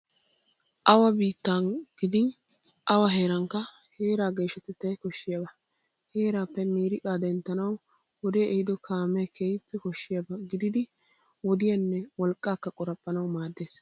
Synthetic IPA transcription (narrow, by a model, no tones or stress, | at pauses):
ʔɐwɐbiːt̪ːaːnɡ̥ɪd̪ɪn | ʔɐwɐɦe̞ːɾɐŋkːɐ | he̞ːɾaːɡe̞ːʃɐt̪ɛt̪ːɐjkɔʃːɪjabɐ | heːɾaːpːɛmiːɾɪkʼaːd̪ɛnt̪ːɐnɐw | wɔd̪eʔɛhɪd̪ɔkʰaːmːɛjkʰeːjɪpːɛkɔʃːɪjabɐɡɪd̪ɪd̪ɪ | wɔd̪ɪjɐnːɛwɔlkʼːaːkːɐkʼɔɾɐpʼːɐnɐwmaːd̪ːe̞ːs